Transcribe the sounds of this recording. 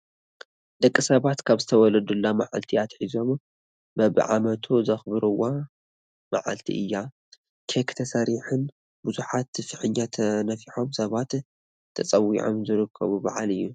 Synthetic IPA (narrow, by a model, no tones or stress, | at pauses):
d̪̥ɐkʼːisɐβat̪kʰaβzɨt̪ʰɐwɔlɐd̪ulːamaʕa̰lt̪ʰiat̪ħizo̞m | bɐβɨ̰ʕamɐt̪ʰuzɐxbɨɾɨwa | ma̰ʕa̰lt̪ʰḭʔɨjːa | kʰekt̪ʰɐsɐɾiħɨn | buzuħat̪ɨfɨħɨɲːat̪ʰɐnɐfiħo̞msɐβat̪ʰː | ɐt͡sʼɐwḭʕo̰mzɨɾɨkʰːɐ̰βubɐ̰ʕa̰lɨjːu